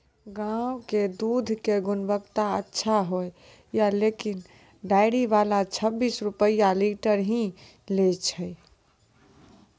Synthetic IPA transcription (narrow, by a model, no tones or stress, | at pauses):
ɡãwked̪ud̪ʱkeɡunbəkt̪aətːʃʰaɦoj | jalekin | ɖajɽiʋalat͡ʃʰəbːisɾupəjaliʈəɾɦĩ | let͡ʃʰəj